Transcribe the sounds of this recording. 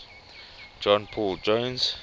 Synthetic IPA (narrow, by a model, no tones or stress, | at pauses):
d͡ʒɔ̃npʰɔld͡ʒõnz̥